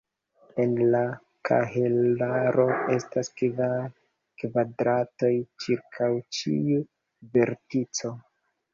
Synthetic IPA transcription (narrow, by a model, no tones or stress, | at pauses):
e̞nla | kʰa̰ɦelaɾʔo̞e̞staskva | kvadɾato̞jt͡ʃiɾkʰawt͡ʃḭu | ve̞ɾtit͡so̞